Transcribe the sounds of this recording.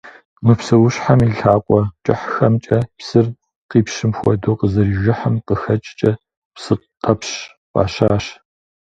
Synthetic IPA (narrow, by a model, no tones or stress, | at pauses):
mɨpsɐwʊɕħamiːɬaːkʷʼɔt͡ʃʼɪħxɐmt͡ʃʼɐpsɨr | qiːpʃɪmxʷɔ̰doːqəzɐɾiːʒɪħamqəxɐt͡ʃʼt͡ʃʼɐ | psɨ | qɐpɕ | qʼɑ̰ːɕaːɕ